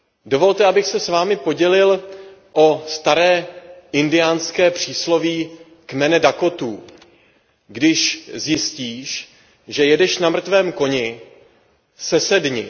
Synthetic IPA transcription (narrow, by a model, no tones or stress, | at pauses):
do̞vo̞lt̪ɛabɪxsɛsvaːmɪpo̞ɟɛlɪl | ʔo̞st̪aɾɛːʔɪndɪjaːnskɛːpr̝̥iːslo̞viː | kmɛnɛdako̞t̪uː | ɡdɪʃzjɪsciːʃ | ʒɛjɛdɛʃnamr̩t̪vɛːmko̞ɲɪ | sɛsɛdɲɪ